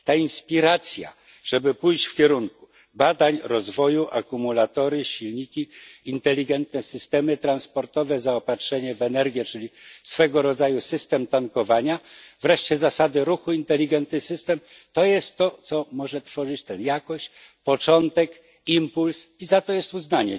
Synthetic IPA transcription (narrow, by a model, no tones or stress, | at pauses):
t̪ainspʲiɾat̪sʲja̰ | ʐ̥ɛbɘpujʑt͡ɕfkʲɛɾuŋku̥ | bad̪aɲɾɔzvɔjuʔa̰kumulat̪ɔɾɘɕilɲikʲiint̪ɛlʲːiɡɛnt̪nɛsɘst̪ɛmɘt̪ɾanspɔɾt̪ɔvɛzaɔpatʂɛɲɛvɛnɛɾɡʲjɛt͡ʂɘlʲisfɛɡɔɾɔd̪zajusɘst̪ɛmt̪aŋkɔvaɲav̥ɾɛʂt͡ɕɛzasad̪ɘɾuxuint̪ɛlʲiɡɛnt̪nɘsɘst̪ɛmt̪ɔjɛst̪ːɔt̪sɔmɔʐɛt̪fɔʐɘt͡ɕt̪ɛnjakɔɕt͡ɕpɔt͡ʂɔnt̪ɛk | impulsizat̪ɔjɛst̪uznaɲɛ